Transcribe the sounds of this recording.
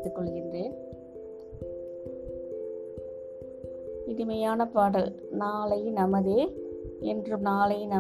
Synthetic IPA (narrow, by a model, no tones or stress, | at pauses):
t̪ːɯkːɔɭɣɪndreːn | ɪðɪmɐjaːnɐpaːɽɐl | naːlɐɪnɐmɐðeːɛndrɯnaːlɐɪnɐ